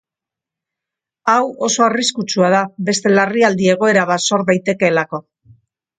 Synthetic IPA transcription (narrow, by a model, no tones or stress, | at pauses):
awo̞so̞ariskut͡suað̞aβe̞st̪e̞lariald̪ie̞ɣ̞o̞e̞ɾaβ̞aso̞ɾðajt̪e̞ke̞ːlako̞